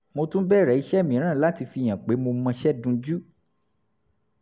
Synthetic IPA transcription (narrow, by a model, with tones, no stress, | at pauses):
mo˧tũ˦bɛ˦˨ɾɛ˨i˧ʃɛ˦˨mĩ˨ɾ̃ã˦˨la˨˦ti˧fi˧˨j̃ã˨k͡pe˨˦mo˧mã˧ʃɛ˦dũ˧˦d͡ʒu˦